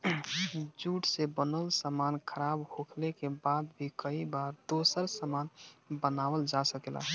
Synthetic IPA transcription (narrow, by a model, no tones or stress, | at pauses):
d͡ʒuʈsebənəlsəmankʰəɾabhokʰlekebad̪bʱikəibaɾd̪osəɾsəmanbənaʋəld͡ʒasəkela̰